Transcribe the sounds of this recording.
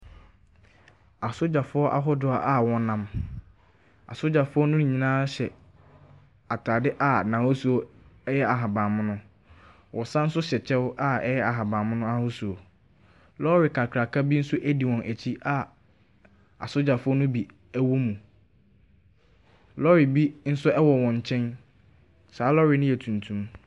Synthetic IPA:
a˨sʊ˦d͡ʑa˨fʊ˦ɔ˦ʔa̰˦ɦʊ˦dʊ˨a˨ʔa˨wɔ̃˦nã˦m | a̰˨sʊ˦d͡ʑa˨fʊ˦ɔ˦nʊ̃˦n˨ɲĩ˨nãː˦ɕɛ˨ | a˨tʰaː˨dɪ˦ʔa˨nã˨ho˦su˨o˨ɛ˦jɛ˦a˨ɦa˨bã˨mʊ̃˦nʊ̃˦ | wʔɔ˨sã˦n̩˦sʊ˦ɕɛ˨t͡ɕʰɛ˦wʔa˦ɛ˦jɛ˦a˨ɦa˨bã˨mʊ̃˦nʊ̃˦a˦hʊ˦su˨o˨ | lɔ˦ɾɪ˨kʰa˨kʰɾa˨kʰa˦bi˦n̩˦sʊ˦ʔæ˦di˨wɔ̃˨nʔæ˨t͡ɕʰi˦ʔa˦˨ | a̰˨sʊ˦d͡ʑa˨fʊ˦ɔ˦nʊ̃˦bi˨ | æ˦wo˦mũ˨ | lɔ˦ɾɪ˨bi˦n̩˦sʊ˦ɛ˦wɔ˨wɔ̃˨ɲ˨t͡ɕʰɛ̃˦n | saː˨˦lɔ˦ɾɪ˨nʊ̃˦jɛ˨tʰũ˨ntʰũ˦m

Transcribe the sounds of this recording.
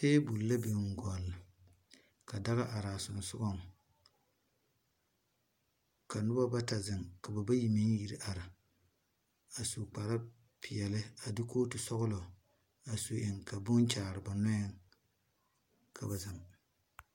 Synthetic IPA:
seː˦bu˨lla˦be˨˦ŋ˨ɡɔ˨lːɪ˨ | ka˨da˦ɣa˦ʔa˨ɾa˨sʊ˨n˨sʊ˦ɡɔ˦ŋ | ka˨nʊ˦ba˦ba˦ta˨zɪ˨ŋka˨ba˨ba˦ji˨me˦n˦ji˦ɾi˦ʔa˨ɾa˨ | a˨so˨k͡pa˨ɾa˦ | pʰɪ˨ɛ˨lɪ˦a˨dɪ˦koː˦tu˨sɔ˦ɣʊ˦lɔ˨ | a˨so˨ʔe˨ŋka˨bʊ˦ŋt͡ʃaː˨ɾɨ˨ba˨nɔ˦jɛ˦ŋ | kʰa˨ba˨za˨m

